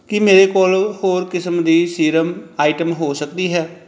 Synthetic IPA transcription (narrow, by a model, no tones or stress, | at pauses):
kɪmeːɾekoːlhoːɾkɪsəmd̪iːsiːɾəmaːɪʈəmɦoːsəkd̪iɦɛː